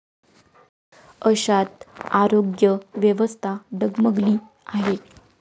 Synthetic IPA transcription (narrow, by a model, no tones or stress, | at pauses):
əɕat̪aɾoɡjəʋjəʋəst̪ʰaɖəɡməɡliː | aɦe